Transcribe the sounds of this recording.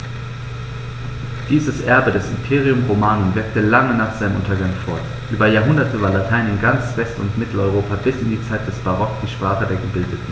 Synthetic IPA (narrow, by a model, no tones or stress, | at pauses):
d̥iːzəsʔɛɐbədɛsɪmpʰeːʁiʊmʁomaːnənvɪɐk̚təlaŋənaːχz̥aɪnəmʔʊntɐɡaŋfɔɐt | ʔyːbɐjaːɐɦʊndɐtʰəvaːɐlatʰaɪnɪnɡant͡sv̥ɛstʊ̰ntmɪtʰl̩ɔʏʁoːpabɪsɪndiːt͡saɪt̚d̥ɛsb̥aʁɔkd̥iːʃpʁ̥aːχədeːɐɡəbɪldətn̩